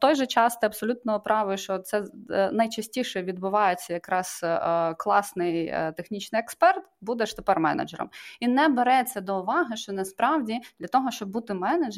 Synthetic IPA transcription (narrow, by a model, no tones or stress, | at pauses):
t̪ɔjʒɛt͡ʃɑst̪ɪɐbsɔlʲut̪nɔʊpɾɑʋʊʃt͡ʃɔt̪t̪sɛnɐjt͡ʃɐsʲtʲiʃɛʋʲid̪bʊʋɑjet͡sʲːɐjɐkɾɑz̥klˠɑsnɪjt̪exnʲit͡ʃnɪjɛkspɛrt̪bud̪ɛʃt̪epɛrmɛ̰nɐ̰d͡ʒɛɾɔ̰minɛbeɾɛt͡sʲːɐd̪ɔʊʋɑɦɪʃt͡ʃɔnɐspɾɑwdʲid̪lʲɐt̪ɔɦɔʃt͡ʃɔb̚but̪ɪmɛnɐd͡ʒ